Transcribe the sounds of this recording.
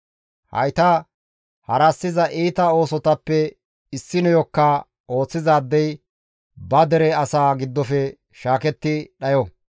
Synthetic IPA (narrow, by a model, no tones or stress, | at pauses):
hɐ̰jt̪ɐ | hɐɾɐsːɪzɐʔiːt̪ɐo̞ːsɔt̪ɐpːɛ | ɪsːɪnɔjɔkːɐ | o̞ːt͡sːɪzaːd̪ːɛj | bɐd̪ɛɾɛɐsaːɡɪd̪ːɔfɛ | ʃaːkɛt̪ːɪɗɐjɔ